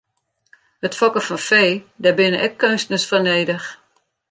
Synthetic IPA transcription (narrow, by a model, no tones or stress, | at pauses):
ətfɔkəfɔnfeːdabɪnəʔɛkʰːønstənəsfɔrneːdəx